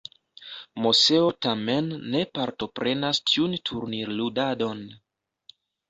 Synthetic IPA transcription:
mose̞o̞tame̞nːe̞paɾto̞pɾe̞nastʰiuntʰuɾniɾludado̞n

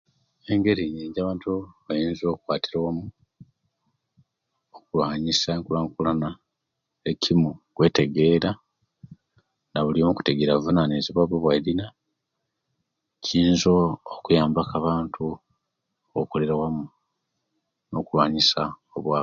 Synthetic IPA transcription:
e̞ŋɡe̞ɾiɲeɲɟaβaːntuβajiːnzo̞kwaːtiɾawamu | okulwaːɲisaeŋkulaːŋkulana | ecʰimukwe̞ːte̞ɡe̞ːɾa | naβulimuku̥te̞ɡeɾavunaneziβaβweβwaiɾina | ciːnzoːkujaːmbakaβaːntʰu | okoleɾawamu | no̞̰kulwaːɲisa | oβwa

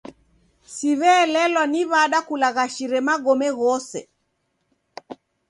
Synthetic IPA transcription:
siβɛːlɛlwaniβaɗakulaɣaʃiɾɛmaɡɔmɛɣɔsɛ̰

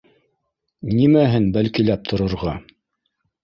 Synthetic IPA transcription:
nimæɦɘnbælkilæp̚t̪ʰŏɾŏɾʁɑ

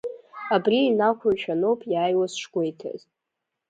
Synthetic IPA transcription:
abriːnakʷʰarʃᶣʰanowpʰʼjaːjwasʂɡʷe̞jtʰa̰z

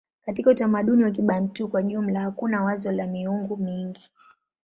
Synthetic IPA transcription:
katikautamaɗuniwak̬iɓantukwaʄum̩lahakunawazɔlamiuŋɡumiŋɡi

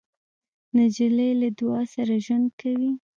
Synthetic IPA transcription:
nad͡ʒilajlad̪wɑsaɾaʒwand̪̚kawi

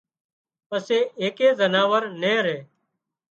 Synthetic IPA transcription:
pəseːeːkeːzənaːʋəɾnẽːɾeː

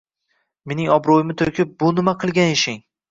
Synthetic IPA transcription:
me̞nɪŋɒbɾojɪmɪt̪ʰoɾkʲʰɪp̚bʊnɪmaqʰɨlˠɡʲanɪʃɪŋ

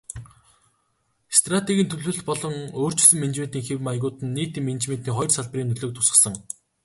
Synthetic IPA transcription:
st̪rat̪eɣʲiːnt̪ʰɵɮɵ̆ɮt̪̚pɔɮɞ̆ŋoːr̥t͡ɕɪ̆sɵ̆mːent͡ɕment̪iːŋxewmajɣʊːt̪ɘ̆nːiːt̪iːmːent͡ɕmeːnt̪iːŋχɔjrsaɮp̆riːnɵɮoːk̚t̪ʰʊsə̆sə̆ŋ

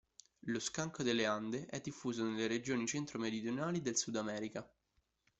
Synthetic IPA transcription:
loskaŋkod̪elːeand̪eʔɛd̪ːifːuːzonelːeɾed͡ʒoːnit͡ʃent̪ɾomeɾid̪jonaːlid̪elsud̪amɛːɾika

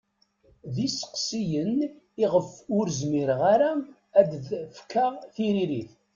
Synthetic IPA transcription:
ðisə̥qsijən | iʁəfʊɾzmiɾəʁaɾa | æd̪ðfkːaʁθiɾiɾiθ

